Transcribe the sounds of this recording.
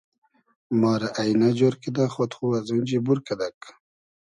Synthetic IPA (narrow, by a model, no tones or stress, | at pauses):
mɑːɾaʔajnad͡ʒoɾkid̪aχot̪χuwazund͡ʒibuɾkad̪ak